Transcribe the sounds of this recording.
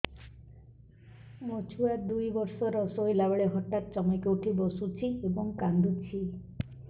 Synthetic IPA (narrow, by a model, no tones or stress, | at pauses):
mot͡ʃʰuad̪ujbɔɾsɔɾɔsoɦilabɔɭeɦɔʈat̪̚t͡ʃɔmekewʈʰibɔsut͡ʃʰiebɔŋkand̪ut͡ʃʰi